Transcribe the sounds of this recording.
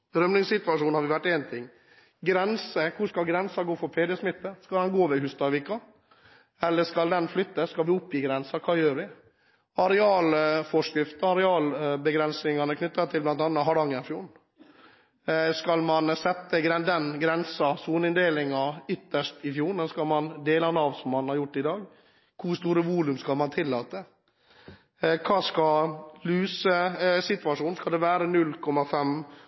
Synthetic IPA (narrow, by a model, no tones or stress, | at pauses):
d̪ɾœmnɪŋsɪt̪ʋɑʂuːnhɑɾʋɪʋæʈːɛːnt̪ʰɪŋː | ɡɾɛnsəkʰʊskɑlɡɾɛnsɑɡoːfɔɾpʰeːd̪ɛsmɪt̪ːəskɑld̪ɛnɡoːʋɛhʉst̪ɑʋɪkɑ | ɛlːəʂkɑld̪ɛnflʏt̪ːəskɑlʋɪʊpːjiːɡɾɛnsɑkʰɑːjøːɾʋɪ | ɑɾɛɑːlfɔʂkɾɪft̪əɑɾɛɑːlbəɡɾɛnsɪŋɑnəkʰnʏt̪ːɑt̪ʰɪlblɑnt̪ɑːnːɑɦɑɖɑŋːənɪfjuːɳ̩ | skɑlmɑnsɛt̪ːəɡɾɛd̪ɛnɡɾɛnsɑsuːnɪnd̪eːlɪŋɑʏt̪ːəʂtɪfjuːɳəskɑlmɑnd̪eːlɑnɑːʋsɔmːɑnhɑɾjʊʈːɪd̪ɑːɡ | kʰʊst̪uːɾəʋuːlʉmskɑlmɑnt̪ʰɪlːɑːt̪ə | kʰɑːskɑlʉːsəsɪt̪ʋɑʂuːnskɑld̪ɛʋæːɾənʉlkʰɔmːɑfɛm